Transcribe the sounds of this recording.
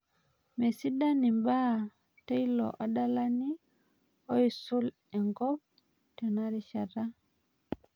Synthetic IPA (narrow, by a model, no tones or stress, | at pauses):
mɛsidanimba | tɛjlɔ̰ʔaɗalani | ojsul | ɛŋɡɔb̚ | tɛnaɾiʃada